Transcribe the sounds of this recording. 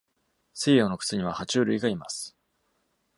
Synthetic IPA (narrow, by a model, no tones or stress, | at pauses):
seijono̞kɯ̥sɨɲ̟iβahat͡ɕɨːɾɯ̟iɡaima̰sɨ̥